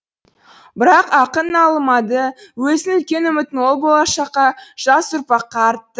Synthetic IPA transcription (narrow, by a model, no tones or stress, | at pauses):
bɪɾɑqɑqənɑlˠəmɑd̪əwɵzɪnʏlkʲe̞nɵmɪt̪ːɪnwo̞lˠbo̞lˠɑʃɑqɑʒ̥ɑsʊɾpɑqːɑːɾt̪ːə